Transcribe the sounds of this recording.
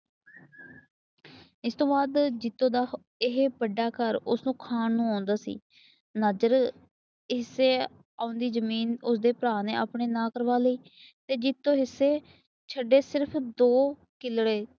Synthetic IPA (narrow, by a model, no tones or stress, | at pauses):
ɪst̪õːbaːd̪d͡ʒɪt̪ːõːd̪aː | ɪɦbəɖːaːkəɾʊsnũːkʰaːnnũːãːnd̪aːsḭː | nəd͡ʒəɾ | ɦɪsːeː | aːʊnd̪iːzəmiːnʊsd̪eːpɾaːneːa̰ːpɳeːnãːkəɾʋaːləiː | t̪eːd͡ʒɪt̪ːõːɦɪsːeː | t͡ʃʰəɖːeːsɪɾpʰd̪oː | kɪlɽeː